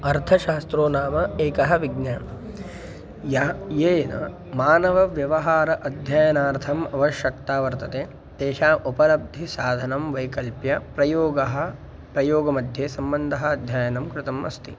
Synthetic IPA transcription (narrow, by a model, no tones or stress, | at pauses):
ɐɾt̪ʰɐʃaːst̪ɾoːnaːmɐeːkɐɦɐ̆ʋiɡnaːn | jɐjeːnɐ̰ | maːnɐʋɐʋjɐʋɐɦaːɾɐʔɐd̪ʱjaːjɐnaːɾt̪ʰɐmɐʋɐʃjɐk̚t̪aːʋɐɾt̪ɐt̪eː | d̪̥eːʃaːʔupɐlɐb̚d̪ʱisaːd̪ʱɐnɐmʋɐjkɐlpjɐpɾɐjoːɡɐɦɐ̆ | pɾɐjoːɡɐmɐd̪ʱjeːsɐmbɐnd̪ʱɐɦɐɐd̪ʱjaːjɐnɐmkɾɪt̪ɐmɐ̰st̪ḭ